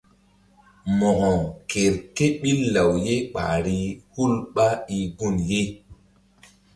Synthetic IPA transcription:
mɔ˨ɡɔ˨ke˨ɾke˦ɓi˦lːa˨wje˦ɓa̰˨ɾi˦hu˦lɓa˦i˨ɡu˦˨nje˦

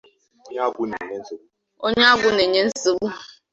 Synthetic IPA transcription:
ɲ˦a˦ɡʷu˨˦ne˨ɲe˦n̩˦si˦ | o˦ɲe˦a˦ɡʷʊ˦ne˨ɲe˦n̩˦si˦bu˦

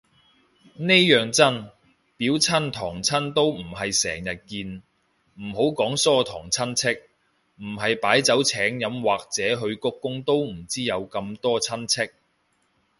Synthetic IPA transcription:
ne˥jœː˨˩ŋt͡sɐ˥n | piː˨˥wt͡sʰɐ˥nt̪ʰɔː˨˩ŋt͡sʰɐ˥nt̪o˥wm̩˨˩hɐ˨jsɛ̰ː˨˩ŋjɐ˨t̚kiː˧n | m̩˨˩ɦo˨˥wkɔː˨˥ŋsɔː˥t̪ʰɔː˨˩ŋt͡sʰɐ˥nt͡sʰɪ˥k̚ | m̩˨˩ɦɐ˨jpaː˨˥jt͡sɐ˨˥wt͡sʰɛː˨˥ŋjɐ˨˧mwaː˨k̚t͡sɛː˨˥ɦɵ˧ɥkɔ˥kːʊ˥ŋt̪o˥wm̩˨˩t͡siː˥jɐ˨˧wkɐ˧mt̪ɔː˥t͡sʰɐ˥nt͡sʰɪ˥k̚

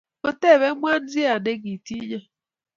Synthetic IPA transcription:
ko˨te˦˨βe˦mʷ˦a˦n̩˦zi˦a˨de˦ɡi˨ti˦d͡ʒa˦

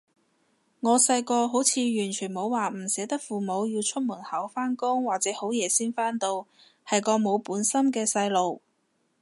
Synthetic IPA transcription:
ŋɔː˨˧sɐ˧jkɔː˧ɦo˨˥wt͡sʰiː˨˧jyː˨˩nt͡ʃʰy˨˩nmo˨˧wwaː˨m̩˨˩sɛː˨˧˥t̪ɐ˥k̚fuː˨mo˨˧wjiː˧wt͡ʃʰɵ˥t̚muː˨˩nhɐ˨˥wfaː˥nkʊ˥ŋwaː˨k̚t͡sɛː˨˥ho˨˥wjɛː˨˧siː˥nfaː˥nt̪o˧w | hɐ˨˩jkɔː˧mo˨˧wpuː˨˥nsɐ˥mkɛː˧sɐ˧jlo˨w

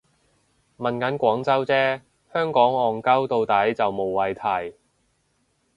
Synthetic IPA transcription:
mɐ˨nkɐ˨˥nkʷɔː˨˥ŋt͡sɐ˥wt͡sɛː˥ | hœː˥ŋkɔː˨˥ŋɔː˨ŋkɐ˥wt̪o˧wt̪ɐ˨˥jt͡sɐ˨wmo˨wːɐ˨˧jt̪ʰɐ˨˩j

